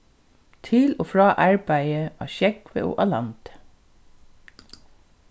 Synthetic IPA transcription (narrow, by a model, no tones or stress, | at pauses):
t̪ʰɪloːfɹɑːʔɑɹbæɪəʔɑ̰ːʃɛkʋḛːʔo̰ːʔɑlɑ̰nt̪ə̥